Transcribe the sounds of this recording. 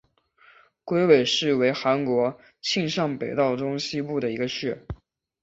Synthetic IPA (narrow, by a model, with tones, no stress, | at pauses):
kwe˥ɪwe˨˩ɪʂɻ̩˥˩we˧˥ɪxa˧˥nkwɔ˧˥ | t͡ɕʰi˥˧ŋʂɑ˥˩ŋpe˨˩ɪt̪ɑ˥˩ʊʈ͡ʂʊ˥ŋɕi˥pu˥˩d̪ə˩i˧˥ɡə˧ɕɥɛ˥˩